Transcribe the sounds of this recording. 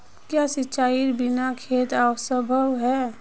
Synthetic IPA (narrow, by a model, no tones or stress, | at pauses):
kjaːsɪt͡ʃaːiɾbɪnakʰeːt̪awsəbʱəwɦɛː